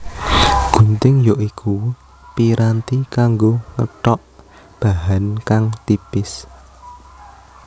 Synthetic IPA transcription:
ɡ̥unt̪ɪŋjoʔikʰu | piɾʔant̪ikaŋɡoŋə̰ʈɔʔ | b̥aɦankaŋt̪ipɪs

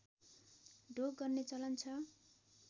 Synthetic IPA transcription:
ɖoɡ̚ɡʌrnet͡sʌlʌnt͡sʰʌ

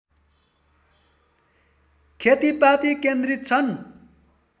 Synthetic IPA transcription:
kʰet̪ipat̪ikend̪rit̪̚t͡sʰʌn

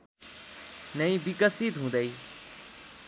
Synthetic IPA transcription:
nəĩːbɪkəsiːd̪ɦũːd̪əiː

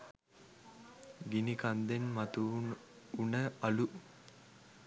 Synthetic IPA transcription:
ɡinikand̪enmat̪u | unəɐlu

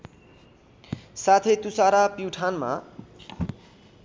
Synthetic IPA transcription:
sat̪ʰet̪usaɾapiwʈʰanma̰

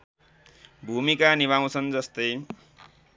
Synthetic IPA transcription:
bʱumikaniβaw̃t͡sʰʌnd͡zʌst̪ʌj

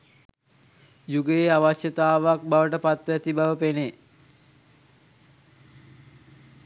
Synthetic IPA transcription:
juɡəjeaʋaʃjət̪aːʋak̚baʋəʈəpat̪ʋæt̪ibaʋəpene

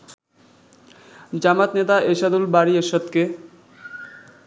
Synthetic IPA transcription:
d͡ʑamat̪net̪aʔeʃad̪ulbaɾieɾʃɔt̪ke

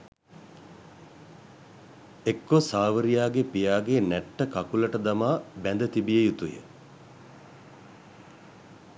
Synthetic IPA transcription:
ekːosaːʋəɾijaːɡepijaːɡenɛʈːəkakuləʈəd̪amaːbænd̪ət̪ibijejut̪ujə̰

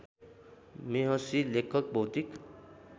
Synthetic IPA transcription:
meɦʌsilekʰʌk̚bʱʌwt̪ik

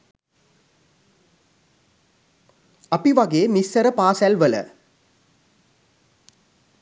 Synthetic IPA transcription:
apiʋaɡeːmisːəɾəpaːsælʋələ̰

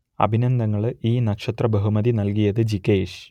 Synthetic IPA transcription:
ɐ̰bʱinɐnd̪ɐŋːɐɭiːnɐkʂɐt̪rɐbɐɦumɐðinɐlkijɐðɨd͡ʑikːeːʂ

